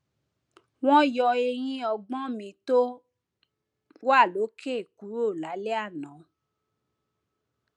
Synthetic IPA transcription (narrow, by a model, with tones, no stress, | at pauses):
w̃ɔ̃˦jɔ˧e˧ɾ̃ĩ˦ɔ˧ɡ͡bɔ̃˦mĩ˧to˦ | wa˦˨lo˨˦kʰe˦˨ku˨˦ɾo˦˨la˨˦le˦a˦˨nã˨˦